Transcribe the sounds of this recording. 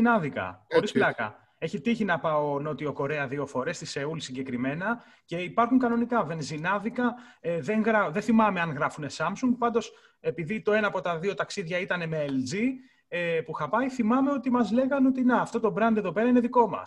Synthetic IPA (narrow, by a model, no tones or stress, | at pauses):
nɐðikɐ̰xo̞ɾisplɐkɐ̰ | e̞çit̪içinɐpɐono̞t̪io̞ko̞ɾe̞ɐðio̞fo̞ɾe̞st̪iseulsiɲɟe̞kɾime̞nɐ | ce̞ipɐɾxuŋkɐno̞nikɐve̞nzinɐðikɐeðeŋɣɾɐðenθimɐme̞ɐnɣɾɐfune̞sɐmsuŋɡ̚pɐnd̪o̞s | e̞piðit̪o̞e̞nɐːpo̞t̪ɐðio̞t̪ɐksiðʝɐit̪ɐne̞meeld͡zi | epuxɐpɐjθimɐme̞o̞t̪imɐzle̞ɣɐno̞t̪inɐːft̪o̞t̪o̞bɾɐnd̪eðo̞pe̞ɾɐineðiko̞mɐ̰s